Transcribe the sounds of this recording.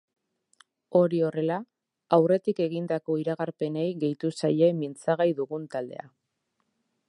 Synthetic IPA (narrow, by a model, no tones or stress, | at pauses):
o̞ɾio̞re̞la | awre̞t̪ike̞ɣind̪ako̞iɾaɣaɾpe̞ne̞jɣe̞jt̪usaje̞mint͡saɣ̞ajðuɣunt̪ald̪e̞̰a̰